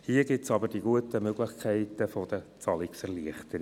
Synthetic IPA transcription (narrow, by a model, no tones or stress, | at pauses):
hiəɡɪtsɑbəɾd̥iɡuətəmøɡlɪχkʰɛɪtəfɔd̥̪ət͡sɑliksɛɾliəχtəɾ